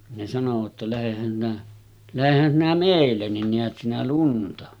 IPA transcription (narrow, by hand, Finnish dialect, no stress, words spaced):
ne sɑnoʋɑt tɑ læhehæn sinæ læhehæn sinæ meˑilːen nin neæt sinæ luntɑ